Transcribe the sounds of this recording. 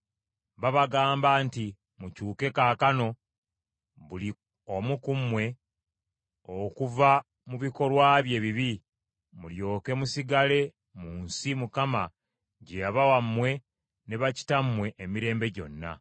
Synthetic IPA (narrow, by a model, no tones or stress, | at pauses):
βaβaɡaːmbaːnti | mucuːke̞kakano̞ | βuli | omukumwe̞ | okuva | muβiko̞lwaːβje̞ːβiβi | muljo̞ːke̞musiɡale̞ | muːnsimukama | ɟejaβawamːwe̞ | ne̞βaci̥tamːwe̞ʔːmiɾe̞ːmbe̞ɟo̞̰nːa̰